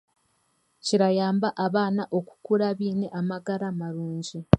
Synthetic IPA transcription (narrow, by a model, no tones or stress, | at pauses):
ciɾajaːmbaʔaβaːnaʔo̞ku̥kuɾaβiːne̞ʔamaɡaɾamaɾuːɲɟi